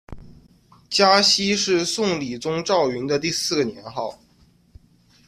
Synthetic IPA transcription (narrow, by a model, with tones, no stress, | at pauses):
t͡ɕja˥ɕi˥ʂɻ̩˥˧sʊ˥˩ŋli˨˩t͡sʊ˥ŋʈ͡ʂɑ˥˩ʊy˧˥nd̪ə˧t̪i˥˧sɹ̩˥˩ɡə˩njɛ˧˥nxɑ˥˩ʊ